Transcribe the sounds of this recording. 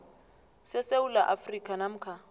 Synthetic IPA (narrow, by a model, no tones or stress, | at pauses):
sɪseulaʔafrikʼanam̩kʰa